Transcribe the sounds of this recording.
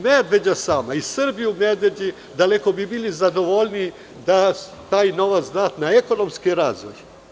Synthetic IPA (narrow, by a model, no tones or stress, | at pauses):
med̪ʋe̞d͡ʑasaːmaisɨrbijumed̪ʋe̞d͡ʑi | d̪aleko̞bibilizad̪o̞ʋolni | d̪a | t̪aːjno̞ʋat̪sd̪aːt̪naeko̞nomskiɾazʋo̰j